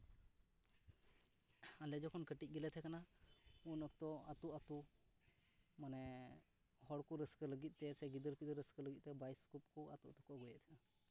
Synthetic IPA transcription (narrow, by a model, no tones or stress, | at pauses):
alɛd͡ʒɔkʰɔnkəʈit̪c̚ˀɡɛlɛt̪ʰɛkanaunək̚t̪ɔat̪uʔat̪u | manɛ | hɔɽkɔɾəskələɡit̪̚ˀt̪ɛsɛɡid̪əɾpid̪əɾəskələɡit̪̚t̪ɛbajskup̚kɔa̰t̪uʔt̪ɔ̥kɔɡɔjɛʔt̪ʰɛna